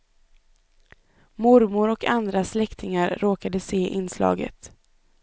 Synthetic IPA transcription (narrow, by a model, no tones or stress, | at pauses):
mʊɾmʊɾɔkʰand̪ɾaslɛkt̪ʰɪŋaɾːoːkad̪əseːʔɪnːslɑ̰ːɡə̰t̪